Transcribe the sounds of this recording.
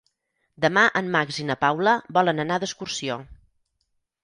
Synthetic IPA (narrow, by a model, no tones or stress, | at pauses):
d̪əmaʔəmːaɡzinəpawləbɔlənənaðəskursio